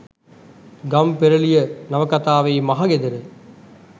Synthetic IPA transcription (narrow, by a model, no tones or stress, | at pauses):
ɡɐmpɛɾɐɭɪjɐnɐʋɐkːɐt̪aːʋɐɪmɐɦaɡed̪ɐɾɯ